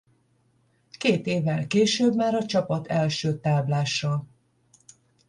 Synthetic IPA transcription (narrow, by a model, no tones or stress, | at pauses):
keːt̪eːvɛlkeːʃøbmaːɾɒt͡ʃɒpɒt̪ʰɛlʃøːt̪aːblaːʃrɒ